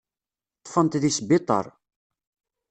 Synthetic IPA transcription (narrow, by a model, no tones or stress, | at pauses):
t̪ˤːfənt̪ðisbit̪ˤə̰ɾˤ